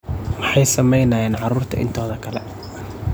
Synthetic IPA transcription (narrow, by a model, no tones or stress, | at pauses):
wɑħɑjsɐmɛjnɐːjɛːnʕɑɾuːrt̪ʰɐ̰ʔɪ̰nt̪ʰɔːðɐkʰɐlɛ̰